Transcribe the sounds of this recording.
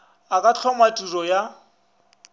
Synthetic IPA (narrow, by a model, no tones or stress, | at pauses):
akʼat͡ɬʰɔmatʼurɔja